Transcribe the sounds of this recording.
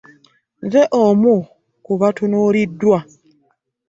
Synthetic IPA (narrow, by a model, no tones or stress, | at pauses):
nzeʔomu | kuβatunoɾidːwa